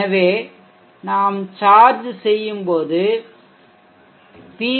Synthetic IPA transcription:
ɐʋeː | naːmt͡ʃaːɾd͡ʒsɛjːɯmpoːðɯ | piː

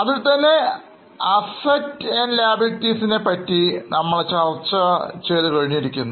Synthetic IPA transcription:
ɐðɨt̪ɐnːe̞ | ɐsɐtenlaːbitːisinepɐtːinɐmːɐɭt͡ɕɐrt͡ɕːɐt͡ɕeːðukɐɻiɲːiɾikʲːunːu

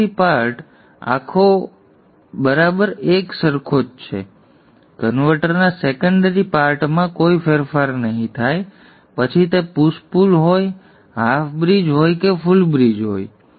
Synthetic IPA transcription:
ipaɾʈ | a̰kʰo | bəɾabəɾeksəɾkʰod͡ʒt͡ʃʰḛ | kənʋəʈəɾnasekəɳɖəɾipaɾʈmãkoifeɾfaɾnəɦĩt̪ʰaj | pət͡ʃʰit̪epuspulɦoj | ɦafbɾid͡ʒɦojkefʊlbɾid͡ʒɦo̰j

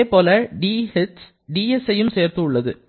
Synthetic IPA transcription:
eːpoːlɐɖiːhɪt̪s | ɖiːɛsɐjɯmseːɾt̪ɯʊɭːɐðɯ̰

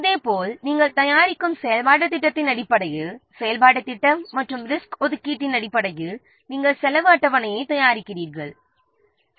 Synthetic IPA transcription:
ɐðeːpoːlniːŋɡɐɭt̪ɐjaːɾɪkːɯmsɛjɐlpaːɽɐt̪ːɪʈːɐt̪ːɪnɐɽɪpːɐɽɐɣɯsɛjɐlpaːʈɐt̪ːɪʈːɐmːɐʈrɯmɾɪskɔðɯkːiːʈːɪnɐɽɪpːɐɽɐɣɯ | niːŋɡɐɭsɛlɐʋɯɐʈːɐʋɐnɐjɐɪt̪ɐjaːɾɪkːɪriːɾɣɐɭ

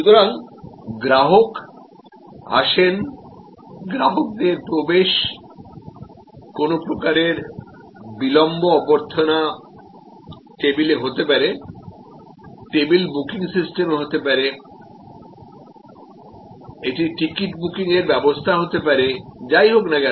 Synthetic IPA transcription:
ʃut̪oɾaŋɡɾaɦok | a̰ʃen | ɡɾaɦok̚d̪eɾpɾobeʃ | konopɾokaɾeɾ | bilɔmboɔboɾt̪ʰona | ʈebileɦot̪epaɾe | ʈebilbukiŋsisʈemɦot̪epaɾe | eʈiʈikiʈbukiŋeɾbɛbost̪ʰaɦot̪epaɾed͡ʑajɦoknaɡɛ

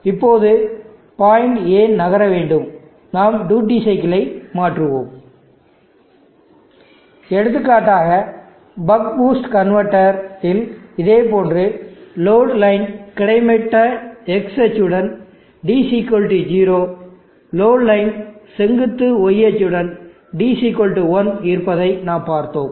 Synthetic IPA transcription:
ɪpːoːðɯ | paːjɪɳɖeːnnɐɣɐɾɐʋeːɳɖɯm | naːmɖuːʈ̬ːisɐɪkɪlɐɪmaːʈrɯʋo̰ːm | ɛɽɯt̪̬ːɯkːaːʈːaːɣɐ | bɐkbuːsʈkɐnʋɐɾʈːɐɾɪlɪðeːpoːndrɯloːɽlɐɪnkɪɽɐɪmɛʈːɐɛksɛt͡ʃːɯɽɐn | ɖiːsiːkolʈid͡ʒiːɾoː | loːɽlɐɪnsɛŋɡɯt̪ːɯɔjɛt͡ʃːɯɽɐn | ɖiːsiːkɔlʈiʋɔnɪɾpɐðɐɪnaːmpaːɾt̪o̰ːm

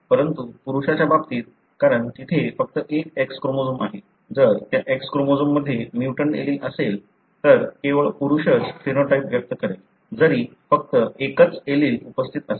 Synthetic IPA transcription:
pəɾənt̪upuɾuɕat͡ɕjababt̪iːt̪̚ | kaɾəɳkit̪ʰefək̚t̪əʔek̚ekskɾomod͡zuma̰ɦe | d͡zəɾt̪jaʔekskɾomod͡zumːəd̪ʱːjemjuʈəɳʈḛliːləsel | t̪əɾkeʋəɭpuɾuɕət͡skinoʈaipʋjək̚t̪əkəɾel | d͡zəɾiː | fək̚t̪əekət͡seliːlupəst̪ʰit̪əse

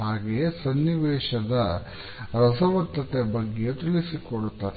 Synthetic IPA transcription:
aːɡejesɐnːiʋɛːʃɐd̪ɐ | ɾɐsɐʋɐt̪ːɐt̪ebɐɡːejet̪ilisikoɽut̪ːaːɾe

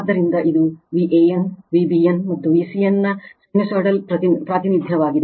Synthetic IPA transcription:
d̪ːɐɾind̪ɐʔid̪uʋiʔeːjɐnʋibijɐnmɐt̪ːuʋisijɐnːɐsemisoɾʈɐlpɾɐt̪ipɾaːt̪inid̪ʱjɐʋaːɡid̪e

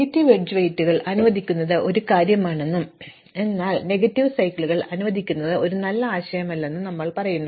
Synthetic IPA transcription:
ɐtːiʋed͡ʑuʋɐjtːuɣɐɭʔɐnuʋɐd̪ʱikʲːunːɐðɨʔo̞ɾukaːɾjɐmaːɳe̞nːum | e̞nːaːɭne̞ɡɐtːiʋsɐjkːɭuɣɐɭɐnuʋɐd̪ʱikʲːunːɐðɨo̞ɾunɐlːɐaːɕɐjɐmɐlːe̞nːɨnɐmːɐɭpɐrɐjunːu

